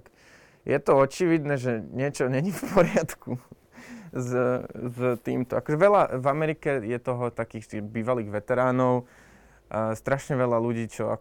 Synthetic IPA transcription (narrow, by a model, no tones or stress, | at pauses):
k | jɛt̪ɔɔt͡ʃiʋid̪nɛʒɛɲɪɛt͡ʃɔɲɛɲifpʰɔɾɪat̪ku | zzt̪ḭːmt̪ɔakɔʒɛʋɛʎavamɛɾikɛjɛt̪ɔɦɔt̪akiːxt̪iɣbiːʋaliːɣʋɛt̪ɛɾaːnɔʊ | st̪ɾaʃɲɛʋɛlaluɟiːt͡ʃɔa̰